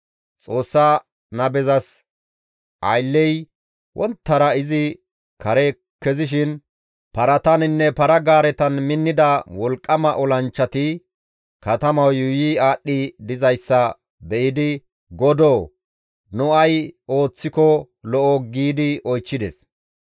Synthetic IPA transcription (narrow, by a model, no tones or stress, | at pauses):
t͡sʼo̞ːsːaː | nɐbɛzɐs | ʔɐ̰jlːɛj | wʔɔ̰nt̪ːɐɾɐɪzɪ | kɐɾe | kːɛzɪʃ̬ɪn | pɐɾɐt̪ɐnɪnːɛpɐɾɐɡaːɾɛt̪ɐnmɪnːɪd̪ɐwɔlkʼːɐmɐʔɔlɐnt͡ʃːɐt̪ɪ | kɐt̪ɐmɐwjʊjiaːɗːɪd̪ɪzɐjsːɐ | bɛʔɪd̪ɪ | ɡɔd̪oː | nʊɐjo̞ːt͡sːɪkɔ | lɔʔɔɡiːd̪ɪʔɔjt͡ʃːɪd̪ɛs